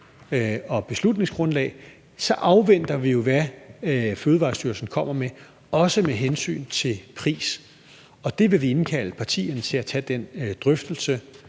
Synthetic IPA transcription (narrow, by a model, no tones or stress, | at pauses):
ɒ̽b̥e̝slud̥ne̝ŋsɡ̥ʁɔ̽nlɛ̰ːɪ | sɒ̽ʔɑ̈ʊʋen̰d̥ɐʋijo̝ʋæ | føːð̞̩ˠʋɑ̰̈ːsd̥yɐsn̩kʰɒ̽m̰ɐme | ɒ̽səmeɦensy̰ːnt͡sʰe̝lpʰʁḭːs | ɒ̽d̥e̝ʋe̝ʋie̝nkʰæləpʰɑ̈t͡sʰḭːɐnət͡sʰe̝læt͡sʰɛd̥end̥ʁœfd̥l̩sə